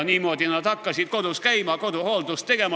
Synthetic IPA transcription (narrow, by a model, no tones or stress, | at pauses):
nʲiːmot̪inæt̪ɑkːɑsit̪kod̪uskæimɑːˑkot̪uholt̪ust̪eɡ̥em